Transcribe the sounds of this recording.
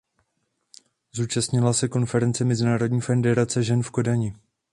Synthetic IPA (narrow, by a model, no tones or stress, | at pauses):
zuːt͡ʃast̪ɲɪlasɛko̞nfɛɾɛnt͡sɛmɛzɪnaːɾo̞dɲiːfɛndɛɾat͡sɛʒɛnfko̞daɲɪ